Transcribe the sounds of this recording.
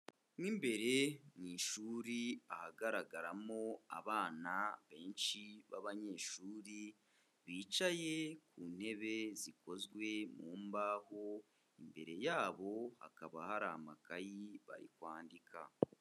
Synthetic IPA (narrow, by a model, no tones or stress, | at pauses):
nimbe̞ɾe̞ŋiːʃuːɾiahaɡaɾaɡaɾamo̞a̰βaːnaβe̞ːnʃiβaβaɲe̞ʃuːɾi | βiːt͡ʃaje̞kuːn̥he̞βe̞ziko̞zɡwe̞muːmbaho̞ | imbe̞ɾe̞jaːβo̞ha̰kaβahaɾamakajiβa̰ɾḭkwaːndikʰa̰